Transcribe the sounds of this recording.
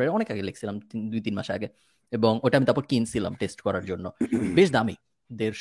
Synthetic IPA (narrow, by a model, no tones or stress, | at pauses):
eɔnekaɡelekʰsʰilamd̪ujt̪inma̰ʃea̰ɡe | eboŋojʈamit̪aɾpɔɾkinsila̰mʈesʈkɔɾaɾd͡ʑonːobeʃd̪ami | d̪eɾʃ